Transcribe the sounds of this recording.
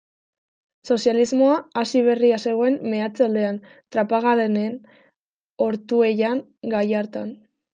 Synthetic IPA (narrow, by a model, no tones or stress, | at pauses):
so̞sjalizmo̞aːsiβ̞e̞riase̞ɣ̞o̞e̞mme̞at͡sald̪e̞an | t̪ɾapaɣalene̞n | o̞ɾt̪ue̞jaŋ | ɡajaɾt̪an